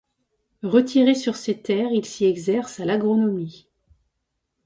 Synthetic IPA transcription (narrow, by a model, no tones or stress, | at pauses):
ʁət̪ʰiʁesyʁset̪ɛːʁilsiɛɡzɛʁsalaɡʁɔnɔmi